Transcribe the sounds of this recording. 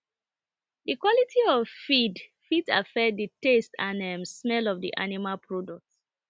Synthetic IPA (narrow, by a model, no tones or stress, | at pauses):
dikwɔlitʰiɔvfidfita̰fɛk̚dətestʰãnɛmsmɛlɔvdḭʔa̰nimalpʰɹɔdɔk̚t